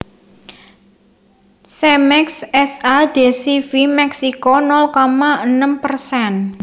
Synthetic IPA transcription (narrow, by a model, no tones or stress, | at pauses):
sɛmɛksɛsad̪̥e̤sifimɛksikonɔlkɔmaʔənəmpərsɛn